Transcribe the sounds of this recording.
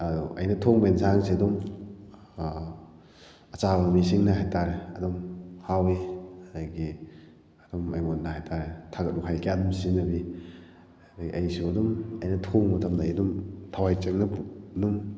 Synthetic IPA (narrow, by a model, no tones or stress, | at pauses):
ɐduʔɐ̰jnɐtʰoŋbensʰaŋsidum | ɐt͡ʃabɐmisiŋnɐɦajtʰaɾeɐdumhawiɐdɐɡi | ɐd̥umɐjmot̚nɐhajtʰaɾetʰaɡɐt̚uɦajkeadumsinːɐbi | dɐɡiʔɐjsiɐdumɐjnɐtʰoŋmɐtʰɐmdɐjdumtʰawajt͡ʃɐŋnɐdum